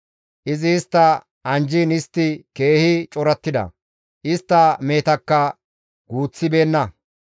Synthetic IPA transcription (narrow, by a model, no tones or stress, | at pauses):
ʔɪzɪːst̪ːɐ | ɐnd͡ʒiːnɪst̪ːɪke̞ːhɪt͡ʃʼɔɾɐt̪ːɪd̪ɐ̰ | ʔɪst̪ːɐme̞ːt̪ɐkːɐ | ɡ̥uːt͡sːɪbe̞ːnːɐ